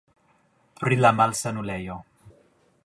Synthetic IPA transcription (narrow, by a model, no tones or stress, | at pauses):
pɾilamalsanulejo